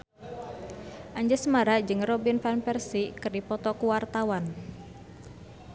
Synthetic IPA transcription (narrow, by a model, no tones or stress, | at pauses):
ʔaɲd͡ʒɛsəmaɾad͡ʒɨŋrɔbinfanpɛrsikɨrdipɔt̪ɔkuwart̪awan